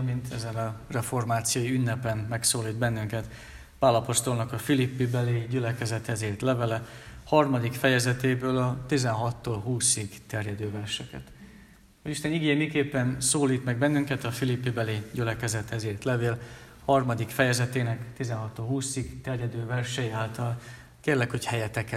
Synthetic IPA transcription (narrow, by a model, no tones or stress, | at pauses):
mint̪ɛzɛnɒrɛfo̞rmaːt̪sijoːjiynːɛpɛnmɛksoːliːd̪bɛnːyŋkɛt̪ | paːlɒpo̞st̪o̞lnɒkɒfilipːibɛliɟylɛkɛzɛt̪hɛziːrt̪lɛvɛlɛhɒrmɒd̪ikfɛjɛzɛt̪eːbøːlɒt̪izɛnɦɒt̪ːoːlɦuːsiɡt̪ɛrjɛd̪øːvɛrʃɛkɛ̰t̪ | hoɟiʃt̪ɛniɡeɛmikeːpːɛnsoːliːt̪mɛɡ̚bɛnːyŋkɛt̪ɒfilipːibɛliɟylɛkɛzɛt̪hɛziːrt̪lɛveːl | hɒrmɒd̪ikfɛjɛzɛt̪eːnɛkt̪izɛnɦɒt̪ːoːlɦuːsiɡt̪ɛrjɛd̪øːvɛrʃɛjiaːlt̪ɒl | keːrlɛkho̞chɛjɛt̪ɛkɛ